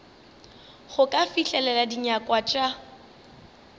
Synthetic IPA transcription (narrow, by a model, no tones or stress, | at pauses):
χʊkʼafiɬɛlɛladiɲakʼwat͡ʃʼa